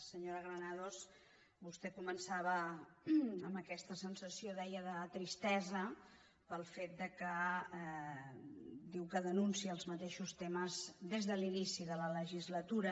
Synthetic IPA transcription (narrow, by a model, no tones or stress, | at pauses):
səɲoɾəɣɾənaðos | bust̪ɛkumənsaβə | əmbəkɛst̪əsənsəsioðɛjəðət̪ɾist̪ɛzə | pəlˠfet̪̚d̪əkə | d̪iwkəðənunsiəlˠzmət̪eʃust̪eməzd̪ezðəlinisiðələləʒizlət̪uɾə